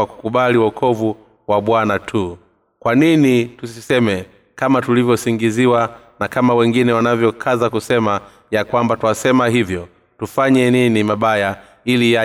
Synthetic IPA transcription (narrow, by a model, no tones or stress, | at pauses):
aku̥kuɓaliwakʰɔvu | waɓwanatʰu | kwaninitussisɛmɛ | kamatulivjɔsiŋɡiziwa | nakamawɛŋɡinɛwanavjɔkʰazakusɛma | jakwambatuwasɛmahivjɔ | tufaɲɛninimaɓaja | ilija